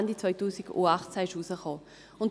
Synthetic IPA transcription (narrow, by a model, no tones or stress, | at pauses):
ndit͡svɔʏtuːsiɡṵaχt͡sɛɪʃuːsəχɔː | ʊnt